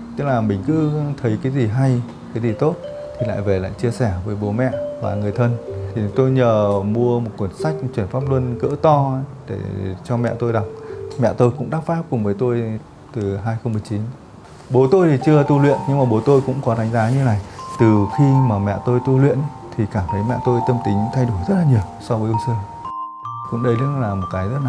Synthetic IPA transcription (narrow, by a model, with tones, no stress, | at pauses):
t̪ɨ˦˥k̚laː˨˩mï˨˩ŋ̟kɨ̰˧˦˥t̪ʰə˨˦jkaː˨˦jzi˨˩ɦa˧j | kaː˨˦zi˨˩t̪o˦˥t̚ | t̪ʰi˨˩la̰ː˧˨jve˨˩la̰ː˧˨jt͡ɕi˧əsɛ˧˩vəː˨˦jɓo˨˦mɛ̰˧˨va̰ː˨˩ŋɨ˨˩əjt̪ʰə˧nt̪ʰi˨˩t̪o˧jɲəː˨˩mu˧əmo˨˩t̚ku˧˩ənsa˦˥jk̟̚t͡ɕwi˧˩ənfaː˦˥p̚lu˧nkə̰˧˥t̪ɔ˧˦ | ɗḛ˧˩t͡ɕɔ˧mɛ̰˧˨t̪o˧jɗa˨˩k͡p̚mɛ̰˧˨t̪o˧jkʊ̰˧˥ŋ͡mɗaː˦˥p̚faː˦˥p̚kʊ˨˩ŋ͡mvəː˨˦jt̪o˧j | t̪ɨ˨˩ɦaː˧jxə˧wŋ͡mmɨ˨˩əjt͡ɕi˨˦n | ɓo˨˦t̪o˧jt̪ʰi˨˩t͡ɕɨ˧ət̪u˧lwḭ˧˨ənɲɨ˧ŋmaː˨˩ɓo˨˦t̪o˧jkʊ̰˧˥ŋ͡mkɔ˨˦ɗa˨˦ŋ̟zaː˨˦ɲɨ˧na˨˩jt̪ɨ˨˩xi˧maː˨˩mɛ̰˧˨t̪o˧jt̪u˧lwḭ˧˨ən | t̪ʰi˨˩kaː˧˩mt̪ʰə˨˦jmɛ̰˧˨t̪o˧jt̪ə˧mt̪ï˨˦ŋ̟t̪ʰa˧jɗo˧˩˨jzə˦˥t̚laː˨˩ɲi˨˩əwsɔ˧vəː˨˦ʔu˧səː˧ | kʊ̰˧˥ŋ͡mɗə˧jllaː˨˩mo˨˩t̚kaː˨˦jzə˦˥t̚la˨˩